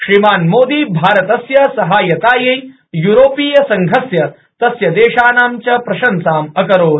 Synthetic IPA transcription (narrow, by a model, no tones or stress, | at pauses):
ʃɾimaːnmoːd̪iːbʱaːɾɐt̪ɐsjɐsɐɦaːjɐt̪aːjɐj | juːɾoːpiːjɐsɐŋɡʱɐsjɐ | t̪ɐsjɐd̪eːʃaːnaːmt͡ʃɐpɾɐʃɐnsaːmɐkɐɾoːd̪